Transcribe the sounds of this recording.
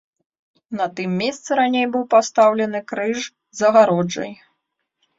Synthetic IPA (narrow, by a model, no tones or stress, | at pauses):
nɐt̪ɨmːʲest̪sɨɾanʲejbɨwpast̪awlʲɛnɨkɾɨʐ | zɐɣaɾɔd͡ʐɐ̰j